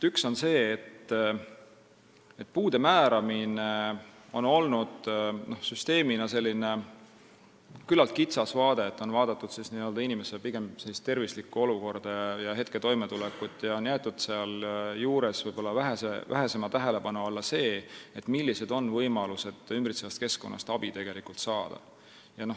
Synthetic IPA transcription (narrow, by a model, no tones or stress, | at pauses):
ykso̞nse̞ːt̪ː | et̪puːd̪̥e̞mæːɾɑmineo̞no̞lnud̪̥no̞hsyst̪e̞ːminɑse̞lʲːine̞ | kylːɑlt̪̚kit̪sɑsvɑːd̪e̞t̪ːˑo̞nvɑːd̪̥ɑt̪ːˑud̪̥sisniø̞ld̪ɑinʲime̞selpiɡ̥e̞mselːist̪ːe̞rvislikːuo̞luko̞rd̪̥ɑɑjɑɦe̞t̪ke̞t̪o̞jmet̪ulekːˑut̪ːˑjɑo̞njæːt̪ːˑud̪̥seɑljuːɾe̞svɤjb̥o̞lːɑvæɦeseʔæ̰ɦe̞se̞mɑt̪æɦe̞le̞pɑnuɑlːɑse̞ːet̪ːmilʲːise̞d̪̥o̞nːvɤjmɑluse̞d̪̥ymbrit̪sevɑst̪̚ke̞sko̞nːʔɑ̰st̪ɑb̥it̪e̞ɡ̥e̞likult̪sɑːd̪̥ɑ̰ | jɑno̞